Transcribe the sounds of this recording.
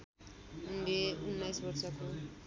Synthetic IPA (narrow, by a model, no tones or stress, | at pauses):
undeunːajsbʌrsʌko